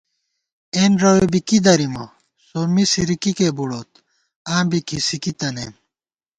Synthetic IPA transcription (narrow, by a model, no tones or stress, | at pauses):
eːnɾowebikid̪ɐɾimɐ | somisiɾikikeːbuɽoːt̪ | ãːmbikʰisikit̪ɐneːm